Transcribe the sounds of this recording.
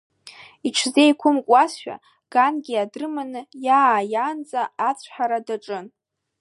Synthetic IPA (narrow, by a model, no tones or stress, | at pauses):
iʈ͡ʂʰzejkʷʰʊmkʷʼasʃʷᶣa̰ | ɡ̥anɡʲiadrɨmanɨjaːjand͡zʼaːt͡sʷʰħaɾadaʈ͡ʂʼɨn